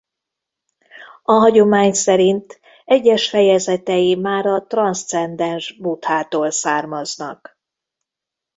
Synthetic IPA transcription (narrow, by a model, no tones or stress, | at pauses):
ɒɦɒɟo̞maːɲsɛɾint̪ | ɛɟːɛʃfɛjɛzɛt̪ɛjimaːɾɒt̪rɒnst̪sɛnd̪ɛnʒbut̪haːt̪oːlsaːrmɒznɒk